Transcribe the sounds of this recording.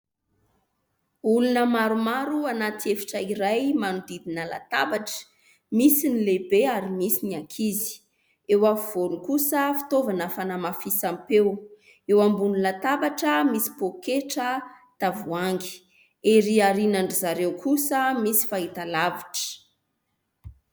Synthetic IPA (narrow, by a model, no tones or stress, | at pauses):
ulunəmaɾumaɾuanat̪iefi̥ʈ͡ʂəiɾajmanud̪id̪inəla̰t̪a̰baʈ͡ʂə̥ | misinilebeaɾimisiniakʰizi̥ | ewav̥olukusəfi̥t̪ovanəfanamafisampew | ewambunilat̪abaʈ͡ʂəmisi̥pokeʈ͡ʂə | t̪avuaŋɡi̥ | eɾiaɾinaɳɖ͡ʐizaɾewkusəmisi̥fait̪alaviʈ͡ʂə̥